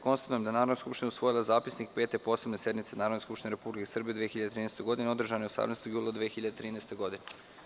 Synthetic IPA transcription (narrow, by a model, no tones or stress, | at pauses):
ko̞nst̪at̪ujemd̪anaːɾo̞d̪nskupʃt̪inausʋo̞jilˠazaːpisnikpeːt̪epo̞sebnese̞d̪mit̪senaːɾod̪neskupʃt̪iɲneɾepublikesr̩bijed̪ʋexiʎad̪et̪ɾiːneːst̪oɡo̞d̪ineo̞d̪r̩ʒanojosa̰mneːst̪oɡjuːlˠad̪ʋeexiʎad̪et̪ɾiːnest̪eɡo̞d̪ine